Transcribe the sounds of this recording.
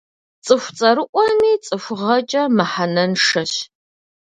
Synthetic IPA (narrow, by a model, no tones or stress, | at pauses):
t͡sʼɨxʷt͡sʼɐɾɨʔʷʼɔmiːt͡sʼɨfʷʊʁɐt͡ʃʼɐmɐħanɐnʂɐɕ